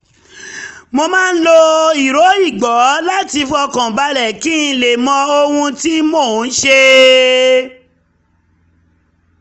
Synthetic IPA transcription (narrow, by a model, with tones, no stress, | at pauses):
mo˧mãː˦˧n̩˦lo˧i˨ɾo˨˦i˦˨ɡ͡bɔ˨˦la˦ti˧fu˦ɔ˧kɔ̃˨ba˧˦lɛ˨kĩ˦˧˨le˨mɔ̃˧o˧hũ˧ti˦moː˦˨n̩˦ʃe˧